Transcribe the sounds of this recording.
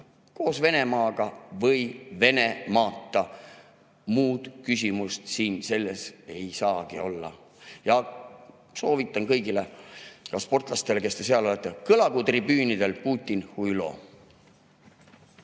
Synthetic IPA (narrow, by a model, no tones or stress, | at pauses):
ko̞ːsve̞ne̞mɑːɡ̥ɑvɤjve̞ne̞mɑːt̪ˑːɑ | muːd̪̥kys̬ʲimust̪siːnse̞lːe̞se̞jsɑːɡ̥io̞̰lːɑ̰ | jɑ | so̞ːvit̪ˑːɑnkɤjɡilekɑspo̞rt̪ˑlɑst̪e̞leke̞st̪e̞seɑlo̞let̪ːˑekɤlɑɡut̪ribyːnid̪e̞lpuːt̪ʲˑːinhujlo̞̰